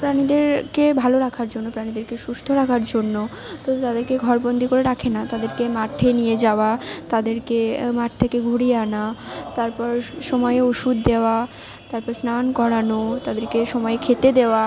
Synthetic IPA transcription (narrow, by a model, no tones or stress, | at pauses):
pɾanid̪eɾkebʱaloɾakʰaɾd͡ʑonːopɾanid̪eɾkeʃust̪ʰoɾakʰaɾd͡ʑonːo | t̪ɔbet̪ad̪eɾkeɡʱɔɾbond̪ikoɾeɾakʰenat̪ad̪eɾkemaʈʰenijed͡ʑaoat̪ad̪eɾkemaʈ̚t̪ʰekeɡʱuɽieanat̪aɾpɔɾʃɔmɔeeoʃud̪ːeoa | t̪aɾpɔɾsnankɔɽanot̪ad̪eɾkeʃɔmɔeekʰet̪ed̪eoa